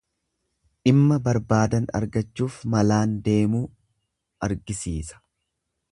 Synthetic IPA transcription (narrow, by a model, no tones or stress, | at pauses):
ᶑɪmːɐbɐɾbaːd̪ɐnɐ̰ɾɡɐt͡ʃːuːfmɐlaːnd̪e̞ːmuː | ʔɐɾɡɪsiːsɐ̥